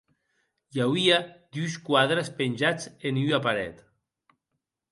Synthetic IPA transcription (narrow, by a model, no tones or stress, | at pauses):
jawβiad̪yskwaðɾaspenʲʒat͡senyapaɾɛ̰t̪